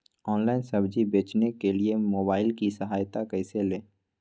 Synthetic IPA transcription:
ɔːnlaːɪnsɐbd͡ʒibeːt͡ʃnekeliemoːbaːɪlkisɐɦaːjt̪akɛːɪseleː

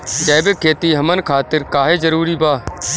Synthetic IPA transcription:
d͡ʒaːbekʰːeːt̪iːɦəmənkʰaːt̪ɪɾkaːɦeːzəɾuːɾiːbaː

